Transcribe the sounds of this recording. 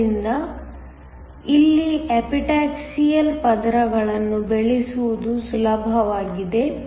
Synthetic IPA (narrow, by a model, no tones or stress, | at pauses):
ind̪ɐ | ilːiɛpiʈaːksijɐlpɐd̪ɾɐɡɐɭɐnːubeɭisuʋud̪usulɐbʱɐʋaːɡid̪e̞